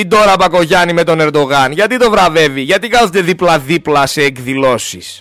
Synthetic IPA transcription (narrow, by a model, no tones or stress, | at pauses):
id̪o̞ɾɐpɐko̞ʝɐnime̞t̪o̞ne̞ɾd̪o̞ɣɐnʝɐt̪it̪o̞vɾɐve̞viʝɐt̪ikɐθund̪e̞ðiplɐðiplɐse̞ːkðilo̞sis